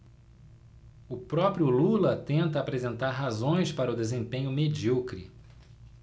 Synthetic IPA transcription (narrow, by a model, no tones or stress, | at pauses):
ʊpɾɔpɾjʊlulɐt̪ẽnt̪ɐːpɾezẽnt̪aɾɦazõj̃spaɾɐʊd̪ezẽpẽɲʊmed͡ʒiokɾḭ